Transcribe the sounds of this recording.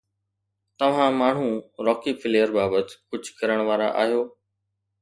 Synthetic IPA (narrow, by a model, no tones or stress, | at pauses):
t̪ɐʋ̤ãmaːɳ̤ũɾɔːkipʰɪleːəɾbaːbət̪kʊd͡ʑʱkɐɾəɽ̃ʋaːɾa̰ʔa̰ːɦijoː